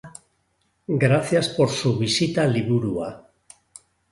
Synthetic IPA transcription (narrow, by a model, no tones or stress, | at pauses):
ɡɾaθjaspo̞ɾsuβ̞isit̪aliβuɾua